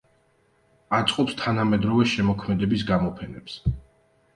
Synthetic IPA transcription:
at̪sʼqʼɔpst̪ʰanamɛd̪ɾɔvɛʃɛmɔkʰmɛd̪ɛbisɡamɔpʰɛnɛps

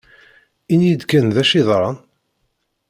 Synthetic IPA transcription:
injəd̪kːænðæʃiðˤɾˤɑn

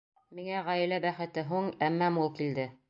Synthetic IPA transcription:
miŋæʁæj̆læbæχɘ̆t̪ɘɦuɴæmːæmulˠkild̪ɘ

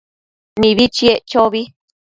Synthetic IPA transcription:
nĩβit͡ʃiet͡ʃoβi

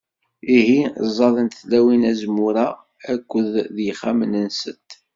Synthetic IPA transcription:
ihizˤːɑðˤənt̪θlæwinæzmuɾa | ækʷːəððjəχæmənənsət̪

